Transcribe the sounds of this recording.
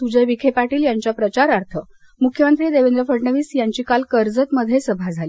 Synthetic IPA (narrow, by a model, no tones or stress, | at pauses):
t̪ud͡ʑaʋikʰepaʈiːljaɲt͡ɕapɾət͡ɕaɾaɾt̪ʰə | mukʰjəmənt̪ɾiːd̪eʋend̪ɾəfəɽɳəʋiːsjaɲt͡ɕiːkalkəɾd͡zət̪məd̪ʱːjesəbʱad͡zʱaliː